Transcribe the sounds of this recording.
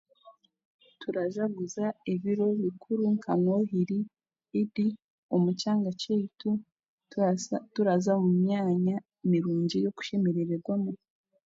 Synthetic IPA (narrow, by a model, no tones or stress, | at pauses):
tuɾaʒaɡuzaiβiɾo̞βikʰuɾuŋkʰaŋwoɦiɾiː | di | omut͡ʃaːŋɡat͡ʃetu | tuɾazamumɲaːɲa | imiɾuːɲɟijo̞ku̥ʃemeɾeɾeɾɡwamo